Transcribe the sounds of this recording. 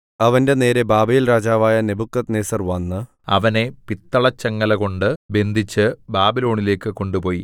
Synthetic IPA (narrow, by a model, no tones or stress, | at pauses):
ɐʋɐnde̞ne̞ːɾe̞baːbɐjilraːd͡ʑaːʋaːjɐne̞bukːɐt̪neːsɐrʋɐnːɨ | ɐ̰ʋɐne̞pit̪ːɐɭɐt͡ɕːɐŋːɐlɐɣo̞ɳɖɨbe̞nd̪ʱit͡ɕːɨbaːbilo̞ːɳile̞ːkːɨko̞ɳɖupo̞ːji